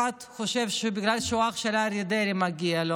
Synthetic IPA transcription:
at̪χoʃevʃebiɡlalʃoaχʃelaɾjed̪eɾimaɡialo

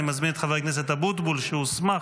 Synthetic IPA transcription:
imazminet̪χaveknes̬et̪abut̪bulʃeusma

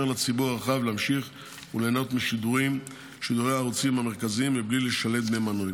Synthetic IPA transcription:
eʁlat͡sibuʁaaχavleamʃiχ | uleːnot̪miʃid̪uʁim | ʃid̪uʁejaːʁut͡simhameʁkaziimviblileʃale̞t̪̚bmemanoli

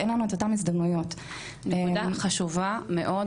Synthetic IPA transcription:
ʔenlanuet̪otamizd̪ɐmnujo̞t | edaχaʃuvameʔo̞d

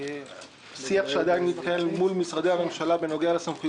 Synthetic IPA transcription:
siaχʃead̪ajnːit̪̚kaelmulmisʁad̪eame̞mʃalabenoɡealesamχu

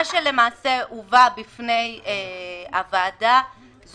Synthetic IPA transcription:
ʃele̞maːseʔuvabifnejeavaːda | z

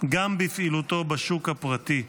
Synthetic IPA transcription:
ɡambifilut̪o̞baʃukhapʁat̪i

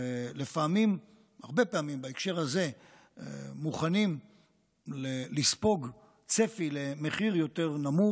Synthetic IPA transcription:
ele̞faːmim | ha̰ʁbe̞peamimbaekʃe̞ʁhaze̞ | muχanim | lelispo̞ɡ | t͡se̞file̞me̞χiʁjo̞t̪e̞ʁnamu

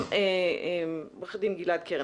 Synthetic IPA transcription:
eebaχd̪imɡilad̪̚kʰeʁ

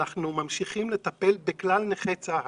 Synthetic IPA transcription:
aχnumamʃiχimle̞t̪ape̞lbeklalneχet͡sa

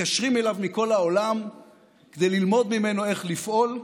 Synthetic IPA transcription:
aʃʁime̞lavmiko̞lao̞lam | ked̪e̞jlilmo̞d̪mime̞noe̞χlifʔo̞l

